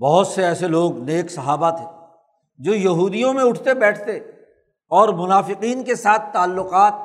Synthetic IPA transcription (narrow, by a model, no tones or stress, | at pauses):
bɐɦʊt̪seɛːseloːɡneːksɐɦaːbat̪ʰɛ̃ː | d͡ʒoːjɐɦuːd̪ijõmẽʊʈʰt̪ebɛːʈʰt̪e | ɔːɾmʊnaːfɪqiːnkesaːt̪ʰːaːlːʊqaːt̪̚